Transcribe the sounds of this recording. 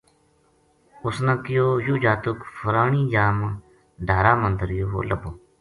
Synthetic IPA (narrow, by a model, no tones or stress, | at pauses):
ʊsnãːkɪjoːjuːd͡ʒaːt̪ʊkfəɾaːɳiːd͡ʒaːm | ɖʱaːɾaːmənd̪əɾjoːɦo̰ːləboː